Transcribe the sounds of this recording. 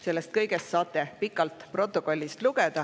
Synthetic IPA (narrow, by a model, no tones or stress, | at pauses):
se̞lːest̪̚kɤjɡ̥e̞st̪sɑːt̪ːˑe̞pikːˑɑlt̪pro̞t̪ːˑoko̞lʲːist̪luɡed̪̥ɑ